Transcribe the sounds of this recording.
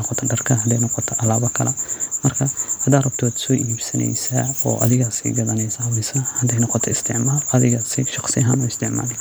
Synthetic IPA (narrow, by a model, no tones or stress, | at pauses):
nɔqɔt̪ʰɔɖɐrkʰɐɦɐd̪ɛjnɔqɔt̪ʰɔʔɐlaːβɐkʰɐlʔɐmɐrkʰɐhɐd̪aːrɐb̚t̪ʰɔwad̪sɔːʔiibsɐnɛ̰jsaːɔ̰ːʔɐ̰ðɪɣaːsḭɡɐðɐnɛjsawɛsaːhɐd̪ɛjnɔqɔt̪ʰɔɪst̪ʰɪʕmaːlɐðɪɣaːsɪ̰ʃɑqsɪjɐɦa̰ːnʊɪst̪ʰɪʕma̰ːl